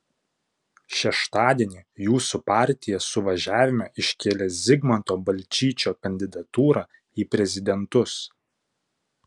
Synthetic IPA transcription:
ʃʲɛʃt̪ɑːd̪ʲeɛnʲijuːsupɑˑɾʲt̪ʲɪjɛsʊʋɐʒʲæːʋʲɪmʲɛʔɪʃʲkʲeːlʲezʲɪɡmɐnt̪oːbɐlʲt͡ʃʲiːt͡ʃʲoːkɐnʲd̪ʲɪd̪ɐt̪uːɾɑː | iːpʲɾʲɛzʲɪd̪ʲɛnt̪ʊs

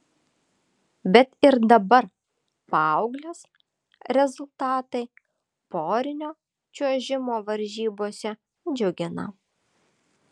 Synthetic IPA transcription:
bʲɛt̪ɪɾd̪ɐbɐɾ | pɐɐʊɡlʲoːs | ɾʲɛzʊlˠt̪ɑːt̪ɐɪ | poːɾʲɪnʲoː | t͡ʃʲuɔʒʲɪmoːʋɐɾʲʒʲiːboːsʲɛ | d͡ʒʲʊɡʲɪnɐ̰

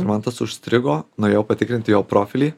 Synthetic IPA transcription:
ɾmɐnt̪ɐsʊʃʲsʲt̪ʲɾʲɪɡoːnʊjɛʊpɐt̪ʲɪkɾʲɪnʲt̪ʲɪjoːpɾoːfʲɪlʲiː

